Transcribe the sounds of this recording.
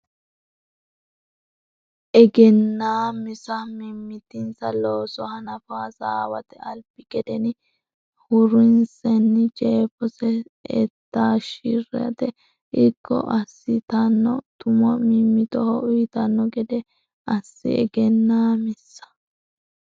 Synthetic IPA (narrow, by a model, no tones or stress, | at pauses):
ʔɛɡɛnːaːmɪsɐmɪmːɪt̪ɪnsɐloːsɔhɐnɐfaːsaːwɐt̪ɛɐlbɪɡɛd̪ɛnɪ | hʊɾɪnsɛnːɪt͡ʃʼeːfɔsɛɛ̰t̪ːaːʃirɛ̰ɐ̰t̪ɛ | ɪkʰːɔ̰ʔɐsːɪt̪ɐnːɔt̪ʊmɔmɪmːɪt̪ɔhɔʔʊjt̪ɐnːɔɡɛd̪ɛ | ɐsːɪ̰ɛ̰ɡɛnːaːmɪsːɐ̥